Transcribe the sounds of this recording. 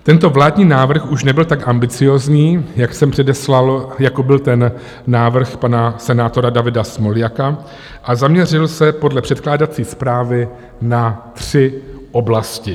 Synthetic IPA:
t̪ɛnt̪o̞vlaːdɲiːnaːvr̩xuʃnɛbɪlt̪akʔambɪt͡sɪjo̞ːzɲiːjaksɛmpr̝̥ɛdɛslaljakobɪlt̪ɛnː | aːvr̩xpanasɛnaːt̪o̞ɾadavɪdasmo̞lɪjaka | ʔazamɲɛr̝ɪlsɛpo̞dlɛpr̝̥ɛt̪klaːdat͡siːspɾaːvɪ | nat̪r̥ɪʔo̞blascɪ

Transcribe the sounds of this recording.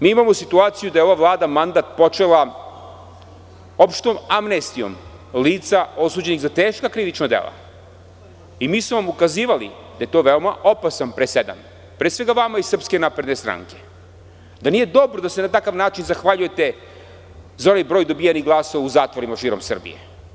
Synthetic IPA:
miːimamosit̪uaːt̪sijud̪ajeo̞ʋaʋlˠaːd̪amand̪at̪̚po̞t͡ʃe̞lˠa | o̞pʃt̪omamnest̪io̞̰m | liːt̪sao̞suːd͡ʑe̞niɣzat̪e̞ːʃkakɾiʋit͡ʃnod̪ḛlˠa̰ | imiːsmovamukaziːʋalḭ | d̪aje̞t̪o̞ːʋeo̞maʔo̞pasanpɾesed̪a̰m | pɾeːsʋe̞ɡaʋamaisr̩pske̞napɾe̞d̪nest̪ɾa̰ŋke̞̥ | d̪anije̞d̪o̞bɾod̪ase̞nat̪akaʋnaːt͡ʃinzaxʋaʎuje̞t̪e̞ | zao̞najbɾojd̪o̞bijaniɡlˠaːso̞ʋauzaːt̪ʋo̞ɾimaʃiːɾo̞msr̩bḭjḛ

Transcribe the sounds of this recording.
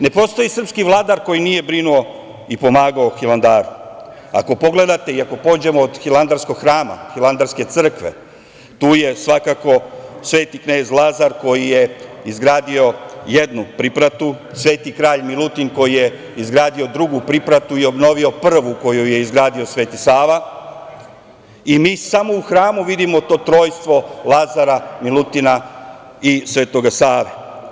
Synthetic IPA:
ne̞po̞ːst̪o̞jisr̩pskiʋlˠaːd̪aɾko̞jinije̞bɾinuo̞ | ipo̞maːɡaoxiland̪aːɾu | a̰ko̞po̞ɡle̞d̪at̪e̞iako̞po̞ːd͡ʑe̞moːd̪xiland̪aɾsko̞ɡxɾaːma̰xilˠand̪aɾske̞t̪sɨr̩kʋe̞̰ | t̪uːje̞sʋakako̞sʋe̞ːt̪ikne̞ːzlˠazaɾko̞jije̞izɡɾaːd̪io̞jed̪nupɾipɾat̪u | sʋe̞ːt̪ikɾaːʎmilˠut̪inko̞jije | izɡɾaːd̪io̞d̪ɾuɡupɾipɾat̪uio̞bno̞ʋio̞pr̩ʋuko̞juje̞izɡɾaːd̪io̞sʋeːt̪isaːʋa | imiːsamo̞uxɾaːmuʋid̪imo̞t̪o̞ːt̪ɾo̞ːjst̪ʋo̞lˠazaɾamilˠut̪ina | isʋeːt̪o̞ɡasaːɾa

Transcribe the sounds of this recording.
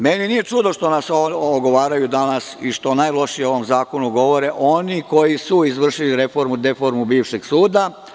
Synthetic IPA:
meninije̞t͡ʂud̪oʃt̪o̞nasooɡo̞ʋaːɾajud̪anasiʃt̪o̞naːjlˠo̞ʃijeo̞ʋo̞mzaːko̞nuɡo̞ʋo̞ɾeʔo̞niko̞jisuizʋr̩ʃiliɾe̞fo̞ɾmud̪efo̞ɾmubiːʋʃe̞ɡsuːd̪a

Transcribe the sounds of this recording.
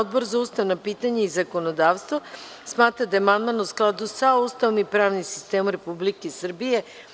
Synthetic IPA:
od̪̚boɾzaust̪aʋnapiːt̪aɲaizakonod̪aːʋst̪vʋo | smaːt̪ɾad̪ajemand̪manusklˠad̪usaust̪aʋomipɾaːʋnimsi̥st̪emomɾepublikesr̩bije

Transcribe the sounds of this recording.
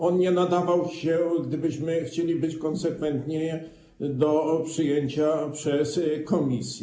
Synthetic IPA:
ɔnɲɛnad̪avawɕɛɡd̪ɘbɘɕmɘxt͡ɕelʲibɘt͡ɕkɔnsɛkfɛnt̪ɲɛ | d̪ɔpʂɘjeɲt͡ɕapʂɛskɔmʲisʲjɛ

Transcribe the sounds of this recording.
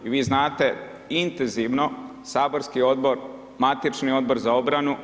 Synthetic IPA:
iʋiːznaːt̪e̞ | int̪enziʋno̞ | saːbo̞ɾskio̞d̪̚bo̞ɾ | mat̪it͡ʃnio̞d̪̚bo̞ɾzao̞bɾanu

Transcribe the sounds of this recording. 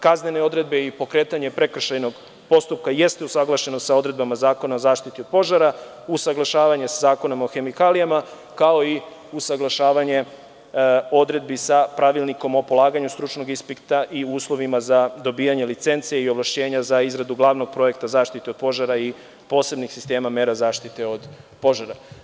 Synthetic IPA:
kazne̞ne̞o̞d̪ɾe̞d̪be̞ipo̞kɾe̞ːt̪aɲe̞pɾe̞kr̩ʃajno̞ɡ | po̞st̪up̚kaje̞st̪e̞usaɡlˠaʃe̞no̞sao̞d̪ɾe̞d̪̚bamazaːko̞nao̞zaːʃt̪it̪io̞d̪̚po̞ʒaɾa | usaɡlaʃaːʋaɲesazaːko̞namaoxe̞mikalijama | kao̞i | usaɡlˠaʃaːʋaɲe̞ | o̞d̪ɾe̞d̪̚bisapɾaʋilˠniko̞mo̞po̞lˠaːɡaɲust̪ɾut͡ʃno̞ɡispikt̪aʔiuːslˠo̞ʋimazad̪o̞biːjaɲe̞lit̪se̞nt̪sieio̞ʋlˠaʃt͡ɕe̞ːɲazaizɾad̪uɡlˠaːʋno̞ɡ̚pɾo̞e̞kt̪azaːʃt̪it̪eo̞d̪po̞ʒaɾai | po̞ːse̞bnixsist̪e̞ːmameːɾazaːʃt̪it̪e̞od̪po̞ʒaɾa

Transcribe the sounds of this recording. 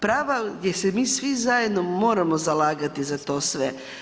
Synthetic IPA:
pɾaːʋajesemiːsʋizajed̪nomo̞ːɾamozalaːɡat̪izat̪o̞ːsʋe

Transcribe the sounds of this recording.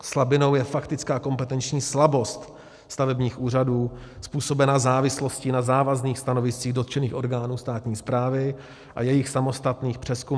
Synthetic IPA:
slabɪnowjɛfakt̪ɪt͡skaːko̞mpɛt̪ɛnt͡ʃɲiːslabo̞st̪ | st̪avɛbɲiːxʔuːr̝aduːspuːso̞bɛnaːzaːvɪslo̞scɪnazaːvazniːxst̪ano̞vɪst͡siːɣdo̞t̪t͡ʃɛniːxʔo̞ɾɡaːnuːst̪aːt̪ɲiːspɾaːvɪ | ʔa̰jɛjɪxsamo̞st̪at̪niːxpr̥ɛsku

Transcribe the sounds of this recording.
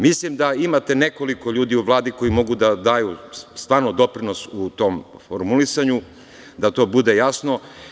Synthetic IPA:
mislimd̪aimat̪e̞neko̞liko̞ʎuːd̪iuʋlˠaːd̪iko̞jimo̞ɡud̪ad̪aːjust̪ʋaːɾnod̪o̞pɾinosut̪o̞ːmfoɾmulisaɲu | d̪at̪o̞ːbud̪e̞jasno̞

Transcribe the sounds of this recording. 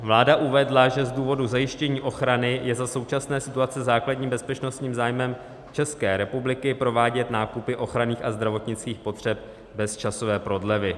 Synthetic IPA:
vlaːdaʔuvɛdlaʒɛzduːvo̞duzajɪʃcɛɲiːʔo̞xɾanɪjɛzaso̞wt͡ʃasnɛːsɪt̪uat͡sɛzaːkladɲiːmbɛspɛt͡ʃno̞st̪ɲiːmzaːjmɛm | t͡ʃɛskɛːɾɛpublɪkɪpɾo̞vaːɟɛt̪naːkupɪʔo̞xɾaniːxazd̪ɾavo̞t̪ɲɪt͡skiːxpo̞t̪r̝̥ɛp̚ | bɛst͡ʃaso̞vɛːpɾo̞dlɛvɪ

